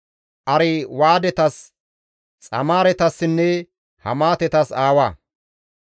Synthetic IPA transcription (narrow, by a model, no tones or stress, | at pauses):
ʔɐɾɛwaːd̪ɛt̪ɐs | t͡sʼɐ̰maːɾɛt̪ɐsːɪnːɛ | hɐ̰maːt̪ɛt̪ɐsaːwaː